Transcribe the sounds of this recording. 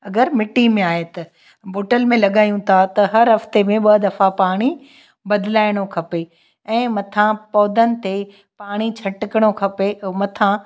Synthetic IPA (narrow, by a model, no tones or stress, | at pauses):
ɐɡəɾmɪʈːimẽaːɦet̪ɐ | boːʈəlmẽlɐɠaːjũt̪ʰat̪ɐɦɐɾɦɐft̪emẽɓɐd̪ɐfapaːɽ̃i | bɐd̪ɪlaːɪɽ̃okʰɐpe | ɛ̃ːmɐt̪ʰãpɔːd̪ənɪ̆t̪e | paːɽ̃it͡ɕʰɐʈɪkɪɽ̃okʰɐpemɐt̪ʰã